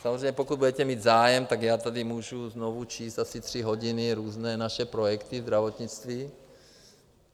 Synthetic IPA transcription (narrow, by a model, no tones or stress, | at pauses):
samozreɛjɲɛpokud̪̚budɛc̪ɛmiːd̪zaːjɛmt̪aɡjaːt̪adimuːʒuznovut͡ʃiːst̪asit̪r̝̥iɦoɟɪnɪɾuːznɛːnaʃɛpɾojɛkt̪ivzd̪ɾavot̪ɲit͡st̪viː